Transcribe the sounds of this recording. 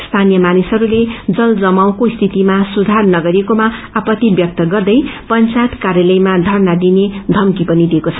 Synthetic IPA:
st̪ʰanijʌmanisɦʌɾuled͡zʌld͡zʌmaw̃kost̪ʰit̪imasud̪ʱarnʌɡʌɾekomaapʌt̪ibjʌk̚t̪ʌɡʌrd̪ʌjpʌnt͡sajt̪kaɾjʌlʌjmad̪ʱʌrnad̪ined̪ʱʌmkipʌnid̪ekot͡sʰʌ

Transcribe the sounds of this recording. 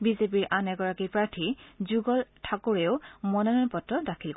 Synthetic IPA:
bizep̬iɹʔanɛɡɔɹakipɹaɹtʰizuɡɔltʰakuɹeʊmɔnɔnɔnpɔtɹɔdakʰilk

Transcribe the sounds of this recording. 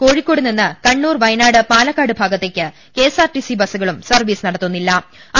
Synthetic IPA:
ko̞ːɻikʲːo̞ːɽuninːɨkɐɳːuːrʋɐjnaːɽɨpaːlɐkːaːɽɨbʱaːɡɐt̪ːekʲːɨ | ke̞ːsaːrʈisibɐsuɣɐɭumsɐrʋiːsɨnɐɽɐt̪ːunːilːɐɐ

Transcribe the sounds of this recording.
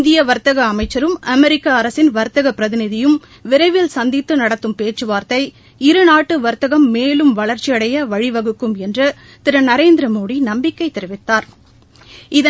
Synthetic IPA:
nd̪ɪjɐʋɐɾt̪ɐɣɐːmɐɪt͡ʃːɐɾɯmɐmɛɾɪkːaːɐɾɐsɪnʋɐɾt̪ɐɣɐpːɪɾɐðɪnɪðɪjɯm | ʋɪɾɐɪʋɪlsɐnd̪ɪt̪ːɯnɐɽɐt̪ːɯmpeːt͡ʃːɯʋaːɾt̪ɐɪ | ɪɾɯnaːʈːɯʋɐɾt̪ːɐɣɐmːeːlɯmʋɐɭɐɾt͡ʃːɪjɐɽɐjɐʋɐɻiʋɐɣɯkːɯmɛndrɐ | t̪ɪɾɐnɐɾeːnd̪ɪɾɐmoːɽinɐmbɪkːɐɪt̪ːɛɾɯʋɪt̪ːaːɾ | ɪðɐ

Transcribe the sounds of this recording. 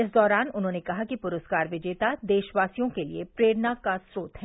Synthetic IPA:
ɪs̬d̪ɔːɾaːnʊnɦõːnekɐɦakipʊɾəskaːɾʋɪd͡ʒeːt̪ad̪eːʃʋaːsijõkelḭepɾeːɽnakasɾoːt̪ɦɛː

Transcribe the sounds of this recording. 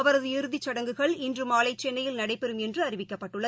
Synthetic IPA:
ɐʋɐɾɐðɯɪɾɯðit͡ʃːɐɽɐŋɡɯɣɐɭɪndrɯmaːlɐɪt͡ʃːɛnːɐjɪlnɐɽɐɪpːɛɾɯmɛndrɯɐɾɪʋɪkːɐpːɐʈːɯɭːɐ

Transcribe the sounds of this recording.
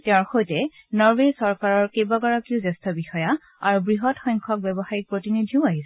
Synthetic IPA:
tɛɔ̃ɹxojtɛ | nɔɹbesɔɹkaɹɔɹkejbaɡɔɹakiʊzɛstʰɔbixɔja | aɹubɹiɦɔtxɔjŋkʰɔk̚bɛbɔxaɹik̚pɹotinidʱiʊ̃aɦisɛ

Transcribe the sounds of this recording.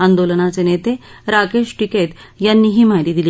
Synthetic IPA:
and̪olənat͡senet̪eɾakeʂʈiket̪ | janːiːɦiːm̤ajɾiːd̪iliː

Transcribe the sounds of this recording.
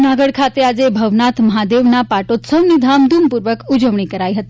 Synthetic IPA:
naɡəɽkʰat̪ead͡zebʱəʋnat̪ʰməɦad̪eʋnapaʈot̪səʋnid̪ʱamd̪ʱumpuɾʋəkud͡ʒəʋɳ̃ikəɾajɦət̪i

